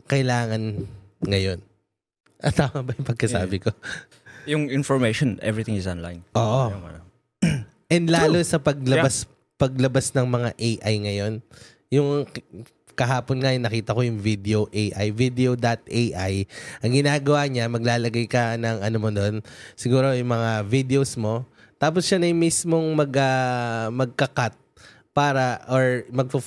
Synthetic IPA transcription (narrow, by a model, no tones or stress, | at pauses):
kɐʔɪlaːŋɐnŋɐjo̞n | ʔɐt̪aːmɐbɐjʊŋpɐɡ̚kɐsa̰ːbɪko̞ | jʊŋɪnfɔɹmejʃonʔɛ̰vɹit̪ɪ̃ŋɪsonla̰jnʔoːʔo | ʔɛnd̪laːlosɐpɐɡ̚lɐbas | pɐɡlɐbasnɐŋmɐŋa̰ʔejʔajŋɐjo̞n | jʊŋ | kɐɦaːponŋajnːɐkiːt̪ɐko̞jʊŋvid̪ɛoʔejʔa̰jvid̪ɛod̪ɐt̪̚ejʔajʔɐŋɡɪnaːɡɐwaɲamɐɡlaːlɐɡajkɐnɐŋɐnomod̪o̞nsɪɡuːɾo̞jʊŋmɐŋavid̪ɛosmo̞ | t̪aːp̬osʃanɐjmismo̞ŋmɐɡɐmɐɡ̚kɐkat̪̚ | paːɾɐʔoɹmɐɡ̚pɐ